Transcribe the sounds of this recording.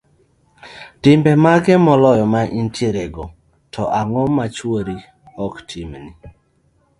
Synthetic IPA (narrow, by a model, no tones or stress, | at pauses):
tɪmbɛmaɡɛmɔlɔjɔmaʔintʰjeɾɛɡɔ | tʰɔʔaŋɔmat͡ʃwoɾi | ɔktʰimni